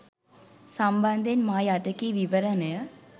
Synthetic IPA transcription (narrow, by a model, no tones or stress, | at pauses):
samband̪ʱenmaːjaʈəkiʋiʋəɾənəjə